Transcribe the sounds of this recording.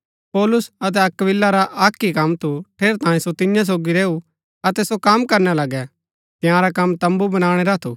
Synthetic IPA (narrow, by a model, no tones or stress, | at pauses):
pɔːlʊsɐt̪̬ɛɐkʋɪlːaɾaʔaːkːikɐmt̪ʰuʈʰeːɾt̪ãːẽsot̪ɪnjãs̬oːɡiɾeːu | ɐt̪ɛsokaːmkɐɾnalɐɡɛ | t̪ɪjãɾakɐmːt̪ɐ̃mbubɐñaːɽ̃eɾat̪ʰṵː